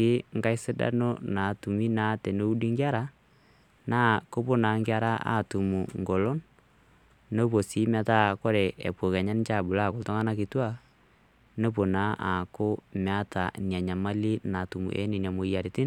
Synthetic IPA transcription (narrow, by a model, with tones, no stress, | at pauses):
ɪ˦ŋɡa˦i˦si˦da̰˦no˦na˨tu˨mi˦na˨˦tɛ˨no˦u˦di˦ŋɡja˦ɾa˦ | na˦ko˦po˦na˨ŋɡja˦ɾa˦a̰˨tu˨mu˨ŋɡo˨lo˦n | no˦po˨si˦ma˦ta˦ko˦ɾɛ˨ḛ˨po˨kɛ˨ɲa˦n˦t͡ʃa˦˨bu˨la˦˨ko˨ltɔ˦ŋa˦na˦kɪ˨twa˦ | no˦po˨na˦ʔa̰˨ko˦m˨a˦ta˨ni˨a˨ɲa˨ma˦li˦na˨tu˨mṵ˨ʔɛ̰˦ni˨nja˨mo˨ja˨ɾi˨ti˦n